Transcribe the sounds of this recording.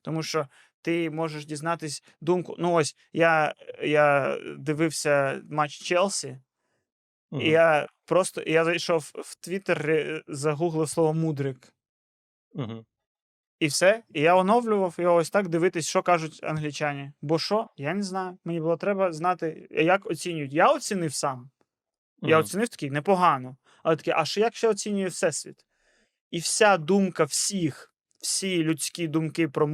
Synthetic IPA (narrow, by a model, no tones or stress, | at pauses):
t̪ɔmuʃt͡ʃɔ | t̪ɪmɔʒeʃdʲiznɑt̪ɪsʲ | d̪umkʊ̰nuɔsʲ | jajad̪ɪʋɪwsʲɐmat͡ʃt͡ʃɛlˠsʲi | ijapɾɔst̪ɔ̰ʔijazɐjʃɔwwt̪ʋʲit̪erezɐɦuɦlˠɪsˠɔʋɔmud̪ɾɪk | iwsɛijaɔnɔwlʲʊʋɐwjɔɔɔsʲt̪ɑkd̪ɪʋɪt̪ɪsʲʃɔkɑʒʊtʲɐ̰nɦlʲit͡ʃanʲibɔʃɔjaneznɑjʊmenʲibʊlˠɔt̪ɾɛbɐznɑt̪ɪjakɔt͡sʲinʲʊjʊtʲjaɔt͡sʲinɪwsɑm | jaɔt͡sʲinɪwt̪ɐ̥kʲijnɛpɔɦɑnɔ | ɐlˠɛt̪ɐkɛʔɐʃɛjakʃt͡ʃɛɔt͡sʲinʲʊjɛwsɛsʲʋʲḭt̪ | iwsʲad̪umkɐwsʲix | wsʲijlʲʊt͡sʲkʲid̪ʊmkɪpɾɔ